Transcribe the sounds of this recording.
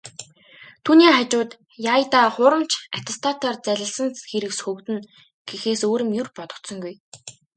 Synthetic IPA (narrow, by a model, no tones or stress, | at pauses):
t̪ʰuːniːχat͡ɕʊːt̪ | jajt̪aːχʊːɾə̆mt͡ɕʰat̪ʰast̪ʰat̪ɔːrt͡sæɮʲə̆ɮsə̆nxeɾɘ̆ksxɵwt̪ɘ̆n | ɡ̥ixeːsoːɾɘ̆mjurpɔt̪ɞ̆kt̪sɞ̆ŋɡuj